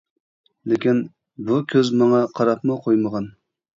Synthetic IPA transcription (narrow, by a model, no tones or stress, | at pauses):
lɪkʲin | bukʲʰøzmɑŋɑqʰɑɾɑpmʊqʰojməʁɑn